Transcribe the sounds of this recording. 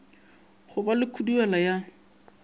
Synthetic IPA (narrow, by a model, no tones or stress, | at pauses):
χʊbalɪkʰuduɛlaja